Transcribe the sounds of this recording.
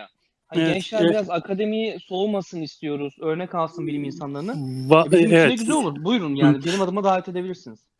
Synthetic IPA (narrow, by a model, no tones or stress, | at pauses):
haɡɛnt͡ʃlʲænbiɾazakʰad̪e̞mijiso̞masɯnist̪ʰijo̞ɾuzø̞ɾnɛkalˠsɯnbilʲiminsanlˠaɾɯnɯvabeimɛɟyzɛlʲo̞lˠuɾbujɾunjaaːnibenimad̪ɯmad̪aːvɛt̪e̞d̪ebilʲiɾsiniz̥